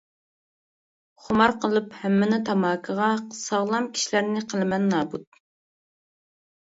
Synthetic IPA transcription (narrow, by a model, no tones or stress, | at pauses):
χʊmɑɾqʰəlˠɨphɛmːɪnɪt̪ʰɑmɑːkʰəʁɑqʰsɑʁlˠɑmkʲʰi̥ʃilæɾnɪqʰəlˠɨmɛnːɑːbut̪̚